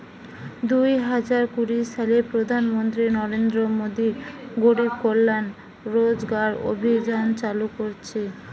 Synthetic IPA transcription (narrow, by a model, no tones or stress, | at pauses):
d̪ujɦad͡ʑaɾkuɾiʃalepɾod̪ʱanmont̪ɾinɔɾend̪ɾomod̪iɡoɽib̚kolːan | ɾod͡ʑɡaɾo̰bʱid͡ʑant͡ɕalukoɾt͡ɕʰe